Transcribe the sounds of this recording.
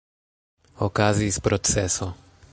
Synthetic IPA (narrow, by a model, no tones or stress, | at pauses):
ɔkazispɾɔt̪sɛsɔ